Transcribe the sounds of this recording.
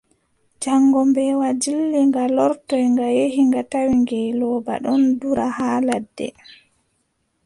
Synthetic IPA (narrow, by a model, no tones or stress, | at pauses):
d͡ʒaŋɡɔmbɛwad͡ʒilːiŋɡalɔɾtɔjŋɡajehiŋɡatawiŋɡɛlɔːba̰ɗɔnduɾahaːladːɛ̰